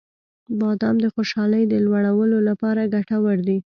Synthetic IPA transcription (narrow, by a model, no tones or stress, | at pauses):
bɑd̪ɑmd̪əxoʃɑləjd̪əlwaɽawəlolapɑɾaɡaʈawəɾd̪i